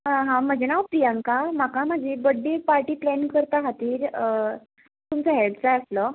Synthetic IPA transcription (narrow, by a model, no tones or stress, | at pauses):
ɦãm̤əd͡zenapɾijãŋkam̤akam̤ad͡ʑebəɖːepaɾʈiːplɛnkəɾt̪aɦat̪iːɾ | t̪umt͡səɦelbt͡saəslə